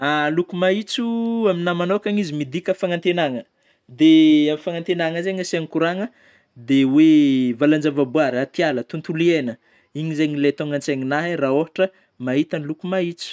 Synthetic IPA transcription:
alukumait͡suaminamanokaŋizimid̪ikʲəfaŋant̪enaŋə | d̪eamifaŋant̪enaŋəzeɲasaŋikuɾaŋə | d̪ewevaland͡ʒavabuaɾat̪ialət̪unt̪ulienə | iɲizeɲilet̪oŋant͡seɲinaɦeraoɦaʈ͡ʂə | maɦit̪anilukumait͡si̥

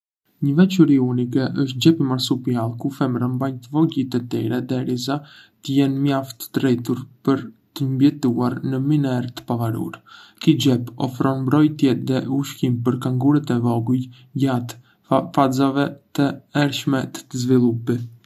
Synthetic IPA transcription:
ɲəvɛt͡ʃuɾiunikɛʔəʃt̪̚d͡ʒɛpimaɾsupialˠkufɛmɾəmbaɲt̪əvɔɟit̪ɛt̪iɾɛðɛɾizat̪əjɛnmjaft̪ə̥d̪ɾɛt̪uɾpəɾt̪əmbjɛt̪uaɾnəminɛɾt̪ə̥pavaɾṵɾkid͡ʒɛpɔ̰fɾɔnmbɾɔjt̪jɛðɛuʃkimpəɾkaŋɡuɾɛt̪ɛvɔɡuj | jat̪ | fazavɛt̪əɛɾʃmɛt̪ə̥əzvilˠupi

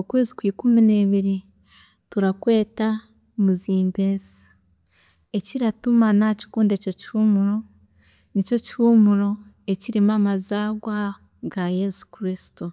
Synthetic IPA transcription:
okwe̞ːzikwiːkumine̞ːβiɾi | tuɾakwe̞ːta | muziːmbezḁ | e̞ciɾatumanaci̥kuːndeco̞cihumuɾo̞ | nico̞cihumuɾo̞ | e̞ciɾimamazaːɡwa | ɡaje̞su̥kɾisi̥tu

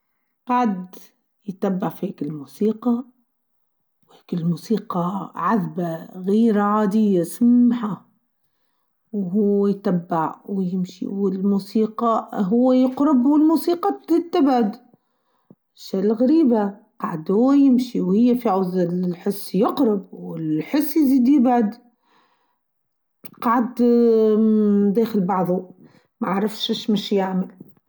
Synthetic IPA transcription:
qaʕd̪ | jt̪abːɪʕfiheːkɪlmuːsiːqɑ | wheːkɪlmuːsiːqɑʕaðbaɣiːɾaʕaːd̪ɪjːasamːħa | wɦʊwajt̪abːɪʕwjɪmʃḭwɪlmuːsiːqɑɦʊwːajɪqɾʊbwɪlmuːsiːqɑt̪ɪt̪ːabad̪ | ʃːælɣaɾiːbaqɑʕd̪hʊːjɪmʃiwhɪjːæfiʕʊzɪħɪsːjɪqɾɪbwɪlħɪsːjziːd̪jɪbʕʊd̪ | qɑʕd̪ | d̪æːxɪlbɑʕðˤu | maʕaʕɾɪfʃɪʃmɪʃjaʕmɪl

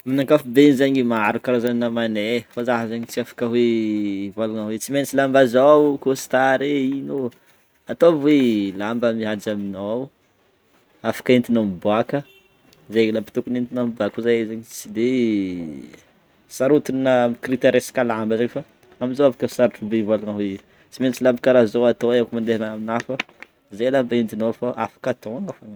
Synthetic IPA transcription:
minaŋkafubenizaɲimaaɾukaɾazaninamanefazaɦazaɲit͡siafḁkəwevalanawet͡simenit͡silambazawkosi̥t̪aɾeino | at̪ovwelambəmiad͡ʒaminaw | afḁkaent̪inamibuakə | zalapi̥t̪ukunint̪inamibakuzajezaɲit͡sid̪e | saɾut̪innamikɾit̪eɾeskalambəzeɲfa | amizoafakəsaɾʈ͡ʂubeivalanawe | t͡siment͡silambikaɾazowat̪oakmand̪eɦanaaminafə | zajlambaind̪inafaʔa̰fḁkat̪oŋɡafana

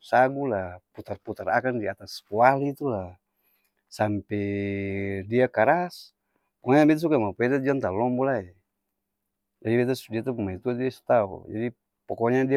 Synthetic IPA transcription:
saɡulaput̪arput̪arakandiat̪askualit̪ula | sampɛ | diakaɾas | pɔkɲabɛt̪asukamapɛdad͡ʒiant̪alɔmbɔlae | d͡ʒadibɛt̪̬asdiat̪umumait̪uat̪diasu̥t̪aṵd͡ʒa̰di | pɔkɔɲadia

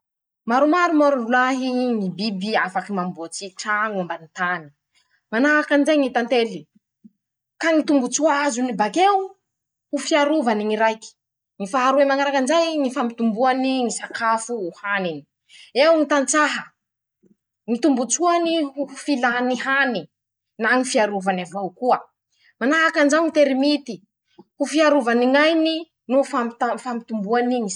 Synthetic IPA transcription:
maɾumaɾumoɾurulaɦinibibiafakimambot͡siʈ͡ʂaŋambanit̪ani̥ | manaakanizajŋit̪ant̪eli | kaŋit̪umbut͡suaazunibakewu | hufiaɾuvaniŋiɾajki̥ | ŋifaɦaɾuemaŋaɾakanzajŋifambit̪umbuaniŋisakafuːhanini̥ | ewŋit̪ant͡saɦə | ŋit̪umbut͡suaniɦufilaniɦani | naŋifiaɾuvanavawkuə | manaakanzawŋit̪eɾimit̪i | hufiaɾuvaniŋajni | nufamt̪afamit̪umbuaniŋi

